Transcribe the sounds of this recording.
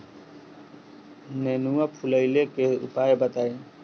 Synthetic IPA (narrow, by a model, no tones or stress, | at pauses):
nenuapʰuləjlekeṵpaːebət̪aːẽ